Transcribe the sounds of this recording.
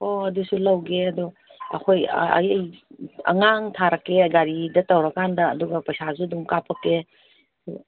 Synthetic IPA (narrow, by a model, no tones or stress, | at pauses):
oɐdusulɐwɡeɐdu | ɐ̰kʰojɐ̰jɐjɐ̰ŋaŋtʰaɾakːeɡaɾidɐtɐwɾɐkːandɐːduɡɐpɐjsasuduŋkapʰɐkːe | du